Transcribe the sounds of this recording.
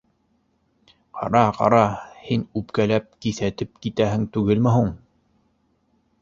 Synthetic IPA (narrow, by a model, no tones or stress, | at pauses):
qʰɑ̰ɾɑqɑ̰ɾɑhinʉpkælæp̚kiθæt̪ɘp̚kit̪æɦɘ̆ŋt̪ʉɡɘlmɘ̆ɦuɴ